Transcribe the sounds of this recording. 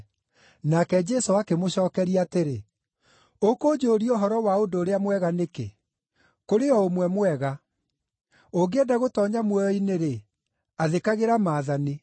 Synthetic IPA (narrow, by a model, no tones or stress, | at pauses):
nakɛd͡ʒɛsoakemoɕɔːkɛɾiateɾe | okoːd͡ʒoːɾioɦɔɾɔwaodoːɾeamwɛɣanekḛ | koɾeɔomwɛmwɛɣa | oɡeɛdaɣotɔɲamwɛjɔineɾe | aðekaɣeɾamaːðane